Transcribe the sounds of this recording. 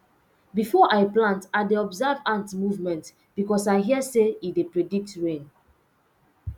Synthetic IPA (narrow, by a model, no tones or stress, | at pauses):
bifɔʔaɪplãntaɪdeɔbzavãntmuvmɛ̃nt | b̥ikɔsaɪɦiəseidepɹedik̚tɹẽn